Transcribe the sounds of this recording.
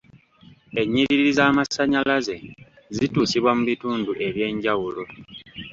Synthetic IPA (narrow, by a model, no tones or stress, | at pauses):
e̞ɲːiɾiɾiɾizaːmasaɲalaze̞ | zituːsiβwamuβituːnduʔe̞βje̞ːɲɟawulo̞